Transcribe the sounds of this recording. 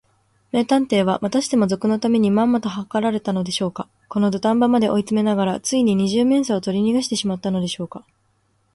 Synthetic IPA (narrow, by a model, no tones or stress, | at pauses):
me̞ːt̪ãnt̪e̞ːβ̞amat̪aɕi̥t̪e̞mo̞zo̞kɯ̟no̞t̪ame̞ɲ̟imãmːat̪o̞ɦakaɾaɾe̞t̪ano̞d̪e̞ɕo̞ːka | ko̞no̞d̪ot̪ãmbamad̪e̞ʔo̞it͡sɨme̞naɡaɾat͡sɨiɲ̟iɲ̟iʑɨːmẽ̞saot̪o̞ɾʲiɲ̟iɡaɕi̥t̪e̞ɕimat̪ːano̞d̪e̞ɕo̞ːka